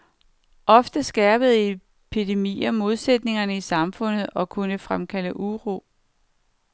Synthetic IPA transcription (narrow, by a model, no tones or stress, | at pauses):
ʔɒ̽fd̥əsɡ̥æːb̥əð̞̩ˠe | pʰid̥e̝mḭːɐmo̝ð̞ˠsed̥ne̝ŋɐnəisɑ̈mfɔ̽n̰ð̞̩ˠɒ̽kʰunəfʁamkʰæləʔuʁo̝̰ː